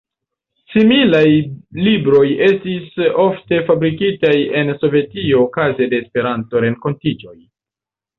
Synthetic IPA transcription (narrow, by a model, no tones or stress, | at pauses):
similajlibɾo̞je̞stiso̞fte̞fabɾikitaje̞nso̞ve̞tio̞ːkazede̞ːspe̞ɾanto̞ɾe̞nko̞ntid͡ʒo̞j